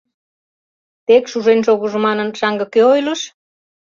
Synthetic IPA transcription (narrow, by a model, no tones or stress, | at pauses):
t̪ekʃuʒenʃoɣə̆ʒə̆mɑnə̆nʃɑŋɡɤ̆køojlə̆ʃ